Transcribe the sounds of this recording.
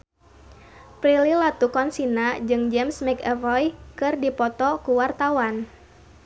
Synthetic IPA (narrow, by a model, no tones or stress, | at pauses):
pɾililat̪ukɔnsinad͡ʒɨŋd͡ʒɛmsmɛkɛvɔjkɨrdipɔt̪ɔkuwart̪awan